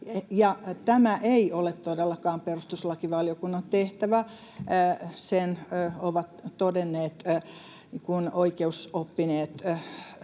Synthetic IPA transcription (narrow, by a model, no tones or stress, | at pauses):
jɑt̪æmæʔeiolet̪t̪odelːɑkɑːmperust̪uslɑkiʋɑljokunːɑnt̪eht̪æʋæ | senoʋɑt̪t̪odenːeːt̪ | kunoikeusopːineːt̪